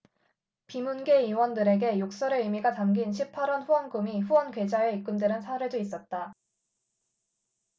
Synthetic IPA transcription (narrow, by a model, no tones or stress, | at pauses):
pimunɡe̞iwʌndɯɾe̞ɡe̞jok̚s͈ʌɾeimiɡatamɡinɕʰipʰaɾʌnɸuwʌnɡumiɸuwʌnkwe̞d͡ʑaeik͈ɯndwenɯnsʰaɾɯɭdois͈ʌt̚t͈a